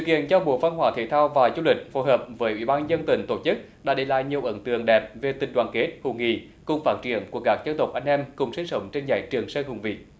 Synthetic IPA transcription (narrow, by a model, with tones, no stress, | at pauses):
sɨ̰˧˨kḭ˧˨ənt͡ɕɔ˧ɓo̰˧˨˦va˧nhɦwaː˧˩t̪ʰe˧˩˦t̪ʰaː˧wvaː˨˩zu˧lï˨˩k̟̚fo˨˦jɦəː˨˩p̚vəː˨˦jʔwḭ˧˩˥ɓaː˧nzə˧nt̪ï˨˩˦ŋ̟t̪o˧˩t͡ɕɨ˦˥k̚ | ɗaː˧˥ɗe˧˩˦la̰ː˧˨jɲi˨˩əwʔə˨˦nt̪ɨ̰˨˧˨əŋɗɛ˨˩p̚ve˨˩t̪ï˨˩ŋ̟ɗwa̰ː˧˨nke˦˥t̚hu˨˧˩ŋḭ˧˩ | kʊ˨˩ŋ͡mfaː˦˥t̚t͡ɕḭ˧˩˨ənku˧˩əkaː˦˥k̚zə˧nt̪ə˨˩wk͡p̚ʔa˧jŋ̟ʔɛ˧mkʊ˨˩ŋ͡msi˧ŋ̟sə˨˦wŋ͡mt͡ɕe˧nza̰ː˨˩jt͡ɕɨ˨˩əŋsəː˧hʊ˨˩ŋ͡mvḭ˧˨